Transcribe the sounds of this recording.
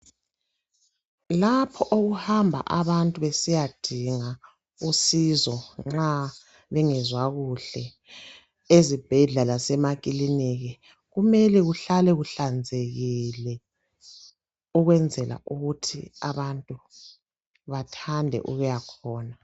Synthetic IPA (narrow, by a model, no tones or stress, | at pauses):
lapʰɔʔoɣuhambʱa̰ʔaβantʼuβesijad̥ʱiŋa | usizɔŋ͡ǁa | βɛŋɛzwaɣuɬɛ | ezib̥ʱɛɮalasɛmakʼiliniɣɛ | ɣumɛlɛɣuɬalɛɣuɬand͡zʱeɣilɛ | uɣwɛnd͡zʱɛla̰ʔuɣutʰḭa̰βantʼu | βatʰandʱɛ̰ʔuɣujakʰɔːna